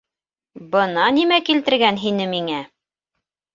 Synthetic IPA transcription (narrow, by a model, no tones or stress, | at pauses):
bɤ̆nɑnimækilt̪ɘ̆ɾɡænɦinɘmiŋæ